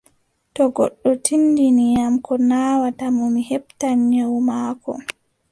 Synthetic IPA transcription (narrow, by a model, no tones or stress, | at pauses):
tɔɡɔ̰ɗːɔtʰindinijamkʰɔnaːwatamɔmihɛptaɲɲawmaːkɔ̰